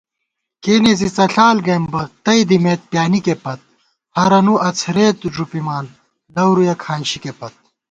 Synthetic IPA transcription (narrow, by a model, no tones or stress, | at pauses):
keːnezit͡sɐɬaːlɡɐjmbɐt̪ɐjd̪imeːt̪̚pjaːnikepɐt̪̚ | hɐɾɐnuɐt͡sʰɾeːt̪ʐupimaːn | lɐwɾujɐkʰaːnɕikepɐt̪̚